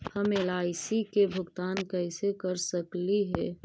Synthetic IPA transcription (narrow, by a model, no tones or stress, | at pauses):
həmeːlaːɪsikebʱʊɡt̪aːnkɛɪsekəɾsəkliɦɛː